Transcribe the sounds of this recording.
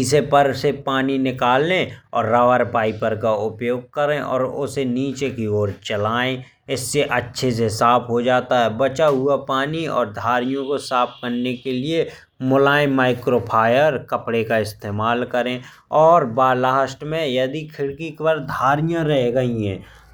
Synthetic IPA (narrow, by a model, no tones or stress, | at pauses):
ɪsepəɾsepaːninɪkaːlːẽɔ̰ːɾːaʋəɾpaːipəɾkaʊpjoːɡ̚kəɾẽʔɔ̰ːɾʊ̰seniːt͡ʃekioːɾt͡ʃəlaːẽ | ɪsːeʔɐtːʃʰes̬esaːpʰɦod͡ʒaːt̪aɦɛːbɐt͡ʃaɦʊapaːniɔ̰ːɾd̪ʱaːɾɪjõkosaːp̚ʰkəɾnekelie | mʊlaːẽmaːɪkɾoːpʰaːjəɾkəpɽekaɪst̪eːmaːlkəɾẽ | ɔːɾbaːlaːʃʈmẽjɐd̪ikʰɪɽkikwəɾd̪ʱaːɾijãɾɛɦɡɐiɦɛ̃ː